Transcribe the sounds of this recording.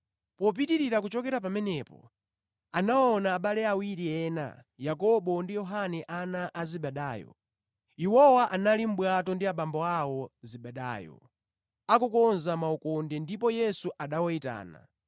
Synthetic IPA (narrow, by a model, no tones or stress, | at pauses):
pɔp̬itiɾiɾakut͡ʃɔkɛɾap̬amɛnɛpɔ̰ | anaɔnaːɓalɛawiɾiɛna̰ | jakɔɓɔndijɔɦanɛʔanaʔaziɓɛɗaːjɔ̰ | iwɔwaʔanalim̩ɓwatɔndiaɓambɔawɔziɓɛɗa̰ːjɔ̰ | akukɔnzamaukɔndɛndipɔjɛsuʔaɗawɔita̰ːna̰